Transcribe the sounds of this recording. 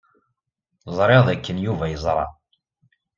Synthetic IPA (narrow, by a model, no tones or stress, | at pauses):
zˤɾˤeʁðækːənjuvæjəzˤɾˤɑ̰